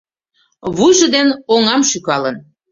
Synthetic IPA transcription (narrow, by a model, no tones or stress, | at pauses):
βujʒə̆d̪enoŋɑmʃykɑlən